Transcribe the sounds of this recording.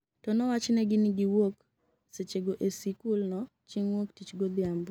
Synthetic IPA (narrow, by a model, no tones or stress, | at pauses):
tɔnɔwat͡ʃnɛɡɪnɪɡɪwok | set͡ʃeɡoʔesikulnɔ | t͡ʃiŋwoktit͡ʃɡod̪ɪambɔ